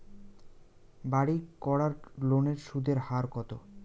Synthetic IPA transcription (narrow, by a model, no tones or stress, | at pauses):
baɽikɔɽaɾloneɾʃud̪ʱeɾhaɾkɔt̪o